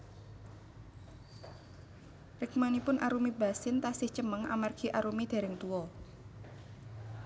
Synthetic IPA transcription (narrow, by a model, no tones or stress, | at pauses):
rɪkmanipʊnʔaɾumiba̤sɪnt̪asɪht͡ʃəməŋa̰marɡ̥i̤ʔaɾumid̪̥e̤ɾɪŋt̪uwɔ